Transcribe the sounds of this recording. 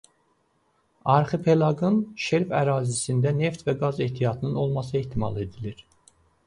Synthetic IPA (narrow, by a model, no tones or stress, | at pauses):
ɑɾχɯpʰe̞lˠɑɡɯnʃeɾfæ̰ɾɑːzisind̪æneft̪væɡɑzeht̪ʰijɑt̪ʰɯnɯno̞lˠmɑs̬ɯeht̪ʰimɑ̰lˠe̞d̪iliɾ̥